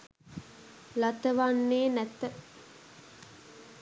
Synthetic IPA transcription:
lat̪əʋanːeːnæt̪ə

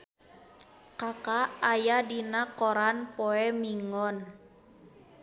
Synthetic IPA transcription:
kakaajadinakɔɾanpɔɛmiŋɔn

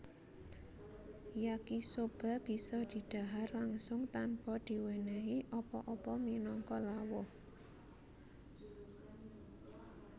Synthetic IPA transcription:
jakisob̥a̤b̥i̤sɔd̪̥i̤d̪̥a̤ɦarlaŋsʊŋt̪anpɔd̪̥i̤wenɛɦiʔɔpɔʔɔpɔminɔŋkɔlawɔh

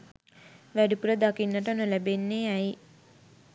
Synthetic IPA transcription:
ʋæɖipuɾəd̪akinːəʈ̬əonəlæbenːeɛj

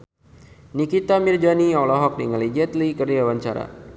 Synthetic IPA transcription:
nikit̪amird͡ʒaniɔlɔɦɔk̚niŋəlid͡ʒɛt̪likərd͡ʒawaɲt͡ʃaɾa̰

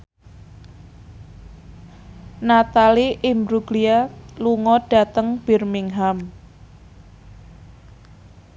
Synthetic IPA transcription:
nat̪aliʔimbɾuɡlialuŋɔɖ̥a̤t̪əŋb̥i̤rmiŋɦam

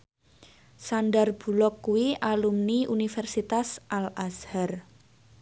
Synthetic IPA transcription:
sanɖarb̥ṳlɔkːuwialumniʔunifɛrsit̪asʔalashar

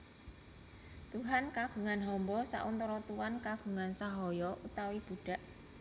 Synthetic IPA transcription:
t̪uɦankaɡ̥ṳŋanɦɔmbɔsa̰ʔʊnt̪ɔɾɔt̪uwankaɡ̥ṳŋansaɦɔjɔʔut̪awib̥ṳɖ̥a̤ʔ

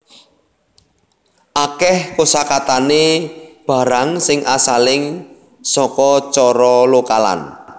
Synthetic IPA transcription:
ʔakɛhkosakat̪aneb̥a̤ɾaŋsɪŋʔasalɪŋ | sɔkɔt͡ʃɔɾɔlokala̰n

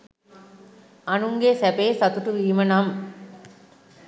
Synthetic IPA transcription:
ɐnuŋɡeːsɛbeːsɐt̪uʈɯʋiːmɐnam

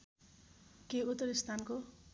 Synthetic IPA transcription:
keut̪ːʌɾist̪ʰanko

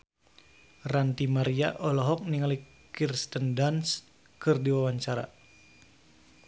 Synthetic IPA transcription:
rant̪imaɾia̰ʔɔlɔɦɔk̚niŋali | kirst̪əndans | kɨrdiwawaɲt͡ʃaɾa̰

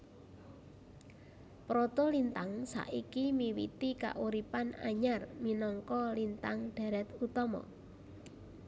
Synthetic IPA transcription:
pɾɔt̪ɔlint̪aŋsa̰ʔikimiwḭt̪ika̰ʔuɾipana̰ɲarminɔŋkɔlint̪aŋɖ̪̥a̤ɾɛt̪ut̪ɔmɔ̰

